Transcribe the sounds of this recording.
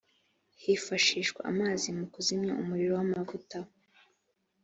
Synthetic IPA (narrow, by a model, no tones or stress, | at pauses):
hifaʃiːʃkwa̰ʔa̰maːzimukuzimɲa̰umuɾiɾowamavuta